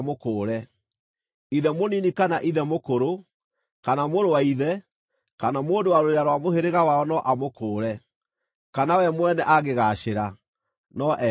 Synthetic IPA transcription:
mokoːɾɛ | iðɛmoninikanaʔiðɛmokoɾo | kanamoɾowaiðɛ | kanamoːndowaɾoɾeaɾwamoheɾeɣawaɔnɔʔamokoːɾɛ | kanawɛmwɛnɛʔaɣeɣaɕeɾa | nɔʔɛ

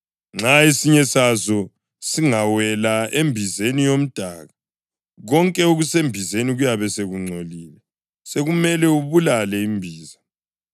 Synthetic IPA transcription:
ŋ͡ǁaesiɲɛsazɔ | siŋawɛlaembʱizenijom̩d̥ʱaɣa | ɣɔŋkʼɛoɣusembʱizeniɣujaβɛseɣuŋ͡ǀʱoliːlɛ | seɣumɛlɛuβulalɛimbʱiːza

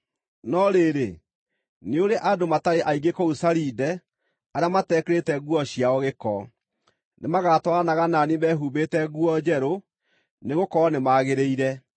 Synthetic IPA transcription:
nɔɾeːɾe | neoɾeʔadomataɾeʔaiɡekɔusaɾidɛ | aɾjamatɛːkeɾetɛɣuɔɕiaɔɣekɔ | nʔemaɣatwɔanaɣananimɛːɦuːβetɛɣuɔd͡ʑɛɾo | neɣokɔɔnemaɣeɾeiɾɛ

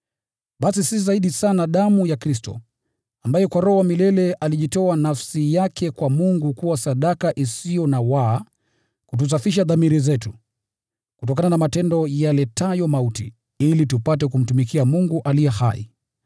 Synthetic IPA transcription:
ɓasisiszaiɗisanaɗamujakɾistɔ̰ | ambajɛkwaɾɔamilɛlɛʔaliʄitɔanafsijakʰɛkwamuŋɡukuwasaɗakaʔisijɔnawa | kut̬us̬afiʃ̬aðamiɾizɛtu | kutɔk̬ananamatɛndɔjalɛtajɔmautḭ | ilitupatɛkum̩tumikiamuŋɡuʔalijɛha̰ḭ

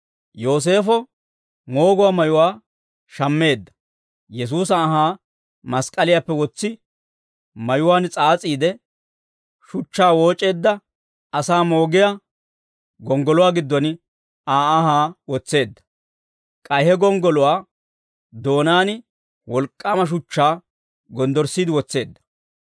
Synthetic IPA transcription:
jo̞ːs̬e̞ːfɔ | mo̞ːɡʊwaːmɐjʊwaː | ʃɐmːe̞ːd̪ːɐ̥ | jɛs̬uːsɐɐɦaː | mɐskʼɐlɪjapːɛwɔt͡sːɪ | mɐjʊwaːnt͡sʼaːt͡sʼiːd̪ɛ | ʃʊt͡ʃːaːwo̞ːt͡ʃʼe̞ːd̪ːɐ | ɐsaːmoːɡɪja | ɡɔŋɡɔlʊwaːɡɪd̪ːɔn | aːɐhaːwɔt͡sːe̞ːd̪ːɐ̥ | kʼɐjhɛɡɔŋɡɔlʊwaː | d̪o̞ːnaːn | wɔlkʼːaːmɐʃ̬ʊt͡ʃːaː | ɡɔnd̪ɔɾsːiːd̪ɪwɔt͡sːe̞ːd̪ːɐ̥

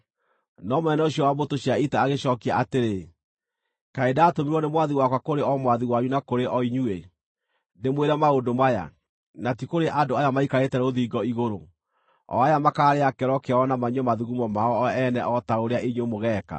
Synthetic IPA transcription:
nɔmwɛnɛoɕ̬iɔwabotoɕiaitaːɣeɕɔːkiaʔateɾe | kaedaːtomiɾwɔnemwaðiwakwakoɾeɔmwaðiwaɲunakoɾeʔɔiɲue | nemweɾamaodomaja̰ | natikoɾeʔadoajamaikaɾetɛɾoðiɡɔiɣoɾo | ɔ̰ajamakaːɾeakɛɾɔkeɔnamaɲɔmaðuɣumɔmaɔɛnɛʔɔtaoɾeaʔiɲomoɣɛka̰

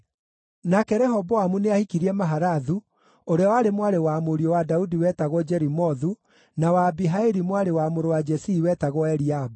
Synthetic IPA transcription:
nakɛɾɛɦɔbɔamuneahikiɾiɛmaɦaɾaðu | oɾeawaɾemwaɾewamoɾiɔwadaudiwɛːtaɣɔd͡ʒɛɾimɔðu | nawaːbiɦaeɾimwaɾewamoɾowad͡ʒɛsiːwɛtaɣɔɛɾiabu

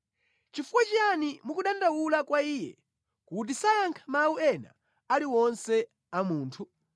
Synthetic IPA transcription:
t͡ʃifukwat͡ʃianimukuɗandawulakwaiːjɛ̰ | kut̬isajaŋkʰḁmauɛna̰ | aliwɔnsɛ | amuːntʰu

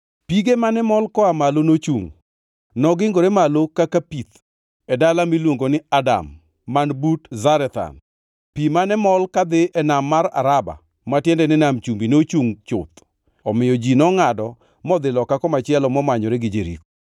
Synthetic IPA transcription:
piɡemanɛmɔlkɔamalonot͡ʃṵŋ | nɔɡɪŋɡoɾɛmalokakapit̪ | ɛdalamilwoŋɡonɪada̰mː | anbutzaɾɛt̪a̰n | pimanɛmɔlkad̪ɪʔɛnamːaɾa̰ɾaba̰ | matjɛndɛnɛnamt͡ʃumbinot͡ʃuŋt͡ʃʊ̰t̪ | ɔmɪjɔd͡ʒinɔŋadɔ | mɔd̪ɪlɔkakɔmat͡ʃɪɛlɔmɔmaɲɔɾɛɡɪd͡ʒeɾḭko

